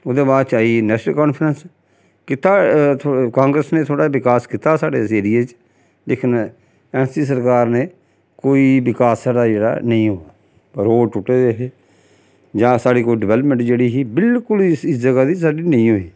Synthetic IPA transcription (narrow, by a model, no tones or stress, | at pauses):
ʊd̪eːbaːd̪̚t͡ʃaːiːnɛːʃnəlkaːnpʰɾəns | kɪt̪aːt̪ʰkãːŋɡɾəsneːt̪ʰoːɽaːʋɪkaːskit̪aːsaːɖḛːseːɾiːeːt͡ʃ | leːkʰɪn | ɛːnsiːs̬əɾkaːɾneː | koːiːʋɪkaːsːaːɖaːd͡ʒeːɽa̰ːnəĩːɦʊaː | ɾoːɽʈʊʈːeːd̪eːɦeː | d͡ʒãːsaːɽiːkoːiɖɪʋɛːləpmə̃ɳʈd͡ʒeːɽiːsiːbɪlkʊlɪsd͡ʒəɡaːd̪iːsaːɖiːnəĩːɦoːeː